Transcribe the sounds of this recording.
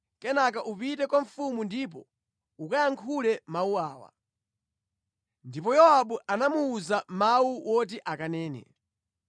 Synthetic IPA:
kɛnak̬aʔupitɛkwaɱ̩fumundip̬ɔ | ukajaŋkʰulɛmauaːwa̰ | ndip̬ɔjɔaɓuʔanamuːzamawuwʔɔt̬iʔakanɛːnɛ̰

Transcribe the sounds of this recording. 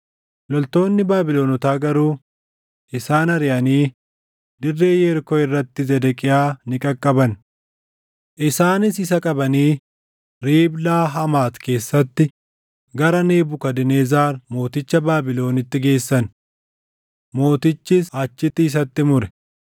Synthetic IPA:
lɔlt̪o̞ːnːɪbaːbɪlo̞ːnɔt̪aːɡɐɾuː | ʔɪsaːnɐɾɪʔɐniː | d̪ɪrːe̞ːjeːɾkɔɪrːɐt̪ːɪzɛd̪ɛkʼɪjaːnɪkʼɐkʼːɐbɐn | ʔɪsaːnɪsɪs̬ɐkʼɐbɐniː | ɾiːblaːɦɐmaːt̪ke̞ːsːɐt̪ːɪ | ɡɐɾɐneːbʊkɐd̪ɪneːzaːɾmo̞ːt̪ɪt͡ʃːɐbaːbɪlo̞ːnɪt̪ːɪɡe̞ːsːɐn | mo̞ːt̪ɪt͡ʃːɪsaːt͡ʃːɪt̪ːɪːs̬ɐt̪ːɪmʊɾɛ̥

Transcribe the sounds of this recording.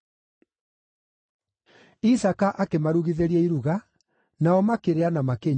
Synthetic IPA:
isakaʔakemaɾuɣiðeɾiɛiɾuɣa | naɔmakeɾeanamakeɲ

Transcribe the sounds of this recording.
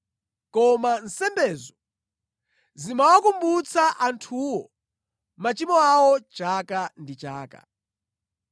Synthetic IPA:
kɔman̩sɛmbɛːzɔ | zimawakumbut͡sʰaʔantʰuwɔ | mat͡ʃimɔawɔt͡ʃakandit͡ʃaːka̰

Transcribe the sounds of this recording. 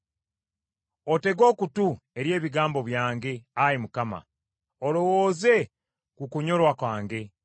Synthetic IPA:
o̞te̞ɡo̞ːkutue̞ɾje̞ːβiɡaːmbo̞βjaːŋɡe̞aɾimukama̰ | olo̞woːze̞ | kukuɲo̞lwakwaːŋɡe̞

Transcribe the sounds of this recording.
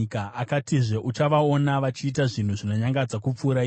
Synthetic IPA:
kaakatiʐe̞ʔut͡ʃaʋao̞naʋat͡ʃiːtaʐin̤uʐino̞ɲaŋɡad͡zakup͡fuːɾai

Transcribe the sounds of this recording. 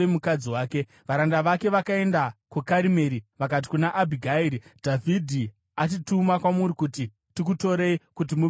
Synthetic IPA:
emukad͡ziwaːke̞ | ʋaɾandaʋake̞ʋakae̞ndakukaɾime̞ːɾiʋak̬at̬i̥kunaʔabʱiɡʱaiɾidʱavʱidʱi | atitumakwamuɾikuti | tikuto̞ɾe̞ikut̬imu

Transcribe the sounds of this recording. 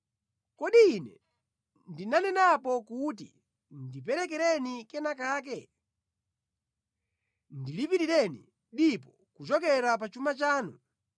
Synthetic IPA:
kɔɗiːnɛ | ndinanɛnapɔkutḭ | ndipɛɾɛkɛɾɛnikɛnakaːk̬ɛ | ndilipiɾiɾɛnḭ | ɗipɔ | kut͡ʃɔkɛɾap̬at͡ʃumat͡ʃaːnu

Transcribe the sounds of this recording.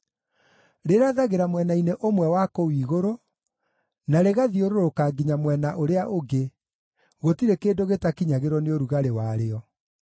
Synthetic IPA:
ɾeɾaðaɣeɾamwɛnaineʔomwɛwakɔwiːɣoɾo | naɾeɣaðioɾoɾokaɡiɲamwɛnaʔoɾeaʔoɡe | ɣotiɾekeːdoɣetakiɲaɣeɾwɔneoɾuɣaɾewaɾeɔ

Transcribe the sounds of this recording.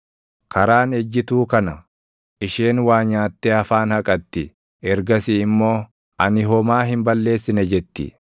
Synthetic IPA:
kʰɐɾaːnɛd͡ʒːɪt̪uːkɐnɐ | ʔɪʃeːnwaːɲaːt̪ːeːɐfaːnhɐkʼɐt̪ːɪ | ɛɾɡɐsɪɪmːo̞ː | ʔɐnɪɦɔmaːɦɪmbɐlːe̞ːsːɪnɛd͡ʒɛt̪ːɪ̰

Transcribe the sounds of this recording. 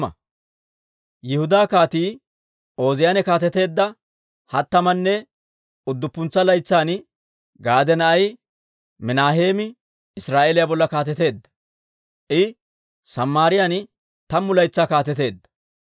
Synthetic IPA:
ɐ̰ | jɪhʊd̪aːkaːt̪iː | o̞ːzɪjaːnɛkaːt̪ɛt̪e̞ːd̪ːɐ | hɐt̪ːɐmɐnːɛ | ʊd̪ːʊpːʊnt͡sːɐlɐjt͡sːaːn | ɡaːd̪ɛnɐʔɐj | mɪnaːɦe̞ːmɪ | ɪsɾaːʔelɪjabɔlːɐkaːt̪ɛt̪e̞ːd̪ːɐ̥ | ʔɪ | sɐmːaːɾɪjan | t̪ɐmːʊlɐjt͡sːaːkaːt̪ɛt̪e̞ːd̪ːɐ̥

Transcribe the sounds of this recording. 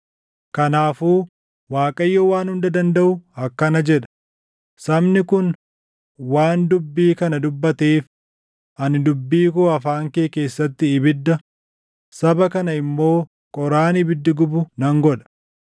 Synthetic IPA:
kɐnaːfuː | waːkʼɐjːowaːnhʊnd̪ɐd̪ɐnd̪ɐʔʊɐkːɐnɐd͡ʒɛᶑɐ̥ | sɐbnɪkʊn | waːnd̪ʊbːiːkɐnɐd̪ʊbːɐt̪eːf | ʔɐnɪd̪ʊbːiːkuɐfaːŋkeːke̞ːsːɐt̪ːɪːbɪd̪ːɐ | sɐbɐkɐnɐɪmːo̞ː | kʼɔɾaːnɪbɪd̪ːɪɡʊbʊnɐŋɡɔᶑɐ̥

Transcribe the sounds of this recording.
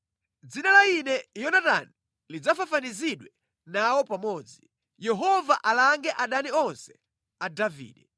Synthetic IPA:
d͡zinalainɛjɔnata̰ni | lid͡zafafaniziɗwɛ | nawɔpamɔːd͡zi | jɛɦɔvaʔalaŋɡɛʔaɗaniɔnsɛ̥ | adavḭːɗɛ

